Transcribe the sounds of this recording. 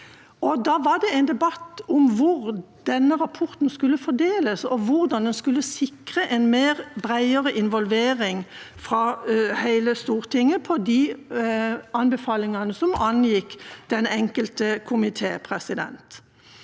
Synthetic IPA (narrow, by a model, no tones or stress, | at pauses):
ʔɔd̪ɑːʋɑd̪ɛæɪnd̪ɛbɑt̪ːɔmʋʊɾ | d̪̥ɛnːəʁɑpʰɔʁt̪n̩skʉlːəfɔd̪eːləsɔʋʊʁd̪ɑnd̪ɛnskʉlːəsɪkʁəʔɛnmeːʁbʁæɪəʁəʔɪnʋɔlʋeːʁɪŋ | fʁɑhæɪləst̪uːʁt̪ʰɪŋːəpʰɔd̪i | ɑnbɛfɑːlɪŋɑnəsɔmɑnjɪkd̪̥ɛnɛŋkəlt̪əkʰʊmɪt̪ʰeːpʰʁɛsɪd̪ɛ̰nt̪